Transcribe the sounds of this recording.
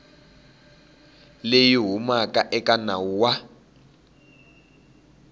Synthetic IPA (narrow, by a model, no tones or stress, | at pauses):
lejiɦumakʼaʔɛkʼanauwa